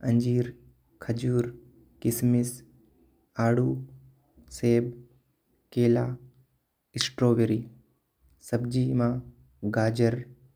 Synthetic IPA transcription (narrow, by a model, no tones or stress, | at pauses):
ɐ̃ɲd͡ʒiːɾ | kʰɐd͡ʒuːɾ | kɪsmɪs | aːɽuː | seːb | keːlaː | ɪsʈɾoːʋeɾiː | sɐbd͡ʒiːmãː | ɡaːd͡ʒəɾ